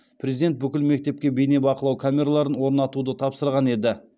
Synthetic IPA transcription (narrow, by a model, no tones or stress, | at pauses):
pʰrʲezid̪e̞nt̪̚bʏkʲɪlme̞k̚t̪e̞p̚kʲe̞bejnebɑqəlˠɑwkʰamʲe̞ɾalˠɑɾənwo̞ɾnɑt̪ud̪ət̪ʰɑpsəɾʁɑne̞d̪ɪ